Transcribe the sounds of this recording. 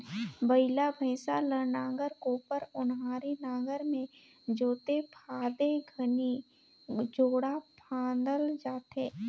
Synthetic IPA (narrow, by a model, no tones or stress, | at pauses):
bəɪlabʱɛ̃ːsaləɾnãːɡəɾkoːpəɾʊnɦaːɾenaːɡəɾmẽ | d͡ʒoːt̪epʰaːd̪eɡʱəni | d͡ʒoːɽapʰãːnd̪əld͡ʒaːt̪eː